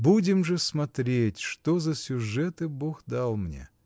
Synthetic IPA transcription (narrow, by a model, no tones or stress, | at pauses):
budʲɪmʐɨsmɐt̪ɾʲetʲʂt̪ozəsʲʊʐɛt̪ɨboxd̪alˠmnʲḛ